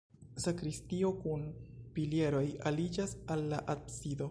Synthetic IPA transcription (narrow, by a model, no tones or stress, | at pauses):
sakɾistio̞kunpilje̞ɾo̞jalid͡ʒasalːaʔadsido̞